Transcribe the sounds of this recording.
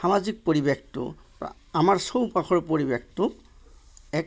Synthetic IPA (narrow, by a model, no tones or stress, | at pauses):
xamazik̚poɹibektʊ̰ | amaɹsowpaxʰɔɹpoɹibektʊ | ɛ